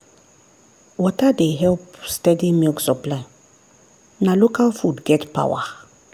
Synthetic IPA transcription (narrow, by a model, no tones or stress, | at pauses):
wɔtadeɦɛlpstɛdimilksɔplãn | nalokalfudɡɛtpʰa̰wa̰